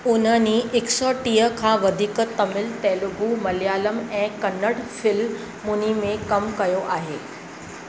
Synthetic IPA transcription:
ʊnəniʔɪksɔːʈiːəkʰãːʋɐd̪ʱiːkət̪ɐmɪlt̪ɛːlʊɡʱumɐljaːləmɛ̃ːkɐnəɽfɪl | mʊnimẽkɐmkɐjoʔaːɦeː

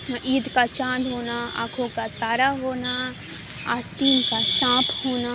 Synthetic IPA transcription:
ʔiːd̪kat͡ʃãːnd̪ɦoːnaa̰ːkʰokat̪aːɾaɦoːna | aːst̪iːnkasãːpʰhoːna

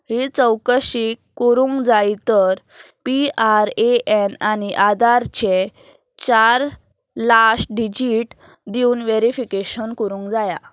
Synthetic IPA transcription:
ɦit͡səwkəɕikːəɾũŋkd͡zait̪əɾ | piaɾeʔenañiʔad̪aɾt͡ɕe | t͡ɕaɾ | lasʈɖid͡ʑiʈ | d̪iuːnʋeɾifikeɕənkəɾũːŋkd͡zaja

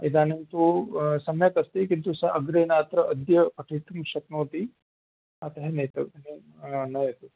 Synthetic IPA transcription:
id̪aːnɐnt̪usɐmjɐk̪ɐst̪ekint̪usɐʔɐɡɾeːnaːt̪ɾɐʔɐd̪jɐpɐʈʰiːt̪umʃɐk̪noːt̪i | ɐt̪ɐɦenɐjt̪ɐʋɐni | nɐjɐt̪u

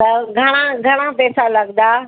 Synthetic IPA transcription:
t̪ɐɡʱɐɽ̃ãɡʱɐɽ̃apɛːsalɐɡd̪aː

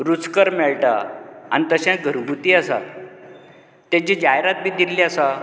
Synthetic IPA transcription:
ɾut͡skəɾmɛɭʈa̰a̰nit̪əɕãɡʱəɾubʱut̪iːəsa̰t̪ | t̪ːãt͡ɕid͡ʑaɦjɾat̪̚bʱiːd̪iliasa

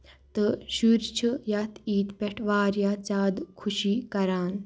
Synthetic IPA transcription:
t̪ɨʃuɾt͡ʃʰɨjat̪ʰiːt̪pʲɛʈʰʋaːɾjat͡saːd̪kʰuʃiːkɐɾaːn

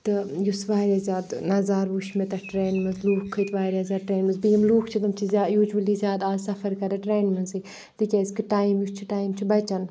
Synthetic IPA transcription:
t̪ɨjusʋaːɾʲaːzʲaːd̪nɐzaːɾʋuʃmet̪ɐʈɾeːnmɐnzluːkʰːɨt̪ʋaːɾʲaːzʲaːʈɾeːnmɐzbijɐmluːkʰt͡ʃʰit̪ɐmt͡ʃʰizʲaːjud͡ʒwɐlizʲjaːd̪aːzsɐfɐɾkɐd̪ɐʈɾeːnmɐnzi | t̪ɨkʲaskiʈaːjmjust͡ʃʰiʈaːjimt͡ʃʰibɐt͡ʃɐn

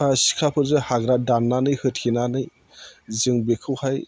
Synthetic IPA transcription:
asi̥kʰapʰɯɾzɯhaɡɾadanːanɯjhɯt̚kʰinanɯj | zɯŋbekʰɯwhaj

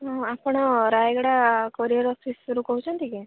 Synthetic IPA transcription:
ɐpːɐɳɾaːjɡɐɽakoɾijɐɾɔːfʰisɾukoɦut͡ʃʰɐnt̪iɡe

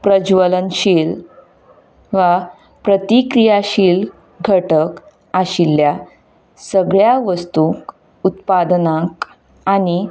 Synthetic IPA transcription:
pɾəd͡ʑʋələnɕiːl | ʋa | pɾət̪ikɾijaɕiːl | ɡʱəʈək | aɕilːja | səɡɭjaʋəst̪uk | ut̪̚pad̪nãk | aɽ̃i

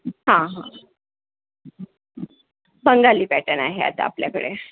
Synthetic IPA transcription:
ɦãɦã | bəŋɡaliːpæʈənaɦea̰t̪a̰a̰pljakəɽe

